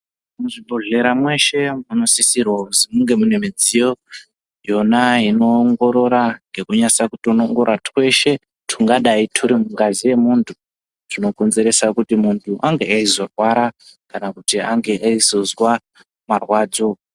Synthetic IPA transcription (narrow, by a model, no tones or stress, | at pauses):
muʐibʱoɮe̞ɾamwe̞ʃe̞muno̞sisirwazimuŋɡe̞mune̞mid͡zijo̞ | jo̞naino̞ːŋɡo̞ɾo̞ɾaŋɡe̞kuɲasakutonoŋɡo̞ɾatwe̞ʃe̞ | tʰuŋɡaɗaitʰuɾimuŋɡazije̞muntʰu | tino̞ko̞nze̞ɾe̞sakutimuntʰuʔaŋɡe̞aizo̞rwaɾakanakutiaŋɡe̞ʔaizo̞zwa | marwaːd͡zo̞